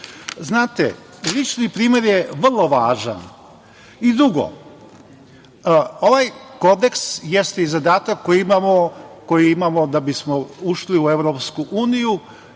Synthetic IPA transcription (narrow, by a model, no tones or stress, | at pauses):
znaːt̪ḛ | lit͡ʃnipɾiːme̞ɾjeʋrlˠo̞ʋaːʒa̰n | id̪ɾuɡo̞̰ | oʋajko̞d̪e̞ksjest̪eizad̪aːt̪akːojiimamoko̞jiimamo̞d̪abismo̞uʃliue̞ʋɾo̞pskuʔuːniju